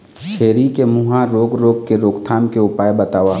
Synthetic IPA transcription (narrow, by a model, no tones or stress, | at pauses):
t͡ʃʰeːɾikemuɦãɾoːɡɾoːɡkeɾoːɡt̪ʰaːmkeʊpaːebɐt̪aːʋaː